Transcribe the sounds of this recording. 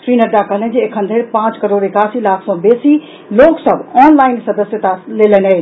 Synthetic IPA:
sɾinəɖakəɦəlẽnd͡ʒeekʰənd̪ʱeɾpãt͡ʃkəɾoːɾekasilakʰsɔ̃besi | loksəbɔːnlaɪnsəd̪əsjət̪alelɛnə

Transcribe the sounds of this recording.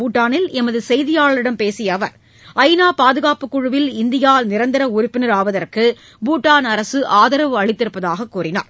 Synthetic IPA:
uːʈːaːnɪlɛmɐðɯsɛjðɪjaːɭɐɭɪɽɐmpeːsɪjɐʋɐɾ | ɐɪnaːpaːðɯɣaːpɯkːʊɻɯʋɪlɪnd̪ɪjaːnɪɾɐnd̪ɐɾɐʊɾʊpːɪnɐɾaːʋɐðɐrkɯ | buːʈːaːnɐɾɐsɯʔaːðɐɾɐʋɯɐɻɪt̪ːɪɾɯpːɐðaːɣɐkːuːrɪna̰ːɾ

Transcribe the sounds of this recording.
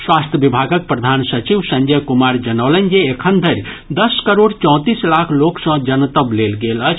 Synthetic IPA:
swast̪ʰjəbibʱaɡək̚pɾəd̪ʱansət͡ʃiʋsə̃nd͡ʒəjkumaɾd͡ʒənəʊlənd͡ʒeːkʰənd̪ʱəɾʲ | d̪əskəɾoɽt͡ʃɔ̃w̃t̪islakʰloksə̃d͡ʒənt̪əblelɡelət͡ʃʰ

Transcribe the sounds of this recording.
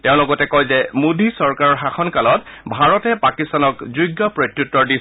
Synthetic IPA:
teʊ̃lɔɡɔtɛkɔjzɛmudʱisɔɹkaɹɔɹxaxʰɔnkalɔtbʱaɹɔtɛpakistanɔkzujɡːɔpɹɔtɹutːɔɹdi

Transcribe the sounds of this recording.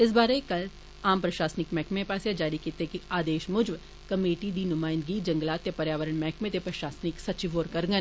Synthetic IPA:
ɪs̬baːɾekɐl | aːmpɾɐʃaːsnɪkmɛ̃ːkmẽpaːsjad͡ʒaːɾikiːt̪ekiaːd̪eːʃmʊd͡ʒʋ | kɐmeːʈid̪inʊmaːɪ̃nd̪ɡid͡ʒɐ̃ŋɡlaːt̪japɐɾjaːʋəɾəɽ̃mɛ̃ːkmẽt̪epɾɐʃaːsnɪksɐt͡ʃɪʋoːɾkɐɾɡə

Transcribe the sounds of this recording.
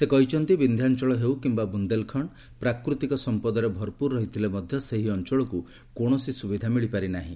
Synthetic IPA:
sekɔɦit͡ʃɔnt̪ibind̪ʱjant͡ʃɔɭɔɦewkimbabund̪elkʰɔɳ | pɾakɾut̪ikɔsɔmpɔd̪ɔɾebʱɔɾpuɾːɔɦit̪ʰilemɔd̪ʱjɔseɦiɔnt͡ʃɔɭɔku | koɽ̃ɔsisubid̪ʱamiɭipaɾinaɦḭ̃

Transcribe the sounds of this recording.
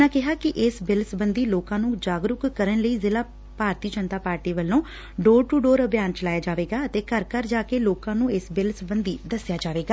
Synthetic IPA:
nãːkɪɦaːkɪʔɪsbɪlsbənd̪iːloːkãːnũːd͡ʒaːɡɾʊkkəɾənləiːzɪlaː | paːɾt̪iːd͡ʒənt̪aːpaːɾʈiːʋəlːõː | ɖoːɾʈuːɖoːɾəbjaːnt͡ʃəlaːjaːd͡ʒaːʋeːɡaːət̪eːkəɾkəɾd͡ʒaːkeːloːkãːnũːɪsbɪlsbənd̪iːd̪əsɪjaːd͡ʒaːʋeːɡaː

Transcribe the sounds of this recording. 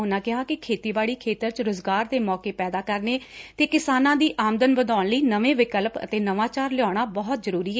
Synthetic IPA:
ʊnãːkɪɦaːkɪkʰeːt̪iːbaːɭiːkʰeːt̪əɾt͡ʃɾʊzɡaːɾd̪eːmɔːkeːpɛːd̪aːkəɾneːt̪eːkɪsaːnãːd̪iːʔaːmd̪ənbəd̪aːɳləiːnəʋẽːʋɪkəlpə̰t̪eːnəʋaːt͡ʃaːɾlɪɔːɽ̃aːbɔːɦt̪zəɾuːɾiːɛː

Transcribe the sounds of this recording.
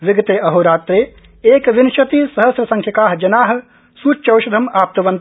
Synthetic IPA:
ʋɪɡɐt̪eːʔɐɦoɾaːt̪ɾeː | eːkʋɪnʃɐt̪isɐɦɐsɾɐsɐ̃ŋkʰjɐkaːɦd͡ʒɐnaːɦɐ̆ | suːt͡ʃːt͡ʃɐwʃɐd̪ʱɐmaːp̚t̪ɐʋɐn

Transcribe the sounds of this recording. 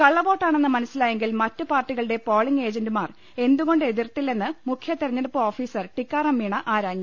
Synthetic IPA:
kɐɭːɐʋo̞ːʈːaːɳenːɐmɐnɐsːilaːjeŋɡilmɐtːɨpaːrʈːiɣɐɭɨɽe̞po̞ːɭiŋe̞ːd͡ʑɐndɨmaːr | e̞nd̪uɣo̞ɳɖɨe̞ðirt̪ːilːenːɨmukʰjɐt̪ːirɐɲːɐɾɐpːuo̞ːfiːsɐrʈikːaːrɐmːiːɳɐʔaːɾaːɲːɐ

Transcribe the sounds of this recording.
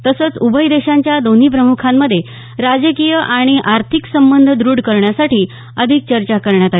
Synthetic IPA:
t̪əsət͡subʱəjd̪eɕaɲt͡ɕjad̪on̤iːp̬ɾəmukʰamːəd̪ʱːje | ɾad͡ʑəkijəʔaɽ̃iʔaɾt̪ʰiksəmbənd̪ʱəd̪ɾuːɽkəɾɳjasaʈiː | əd̪ʱik̚t͡ɕəɾt͡ɕakəɾɳjat̪a

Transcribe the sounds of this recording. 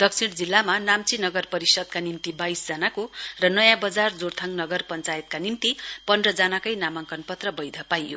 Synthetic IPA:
d̪ʌk̚t͡sʰiɽd͡zilːamanamt͡sinʌɡʌrpʌɾisʌd̪̚kanimt̪ibajsd͡zʌnakorʌnʌjãbʌd͡zard͡zort̪ʰʌŋnʌɡʌrpʌnt͡sajet̪̚kanimt̪ipʌndrʌd͡zanakʌjnamʌŋkʌnpʌt̪rʌbʌjd̪ʱʌpajːo̰

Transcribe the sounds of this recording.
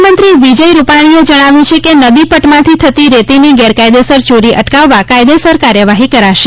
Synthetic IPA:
mənt̪ɾiʋid͡ʒəjɾupaɽ̃ied͡ʒəɽ̃aʋjũt͡ʃʰekenəd̪ipəʈmãt̪ʰit̪ʰət̪iɾet̪iniɡɛɾkajd̪esəɾt͡ʃoɾiʔə̰ʈkaʋːakajd̪esəɾkaɾjəʋaɦikəɾaʃe

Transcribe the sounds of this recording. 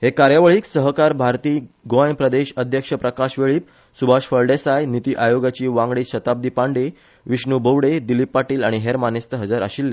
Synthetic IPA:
hekaɾjaʋɭiːksəɦəkaɾbʱaɾt̪iːɡojpɾəd̪eɕəd̪ʱjəkʂəpɾəkaɕʋeɭiːp̚ | subʱaʂfəɭɖesajnit̪iːʔajoɡat͡ɕiːʋãŋɡɽiːɕət̪ab̚d̪iːpaɳɖe | ʋiɕɳubʱəʋɽed̪ilipːaʈiːlaɽ̃iɦeɾmanest̪əɦəd͡zaɾə̰ɕilːe

